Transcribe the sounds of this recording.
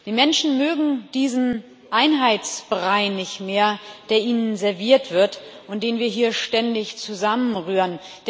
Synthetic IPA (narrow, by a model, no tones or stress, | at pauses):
d̥iːmɛnʃn̩møːɡŋ̩d̥iːzn̩ | ʔaɪnɦaɪtt͡sb̥ʁaɪnːɪçtmeːɐd̥eːɐʔiːnənzɛɐviːɐtv̥ɪɐtʔʊnt̚d̥eːnviːɐɦiːɐʃtɛndɪçt͡suzamənʁyːʁən | d̥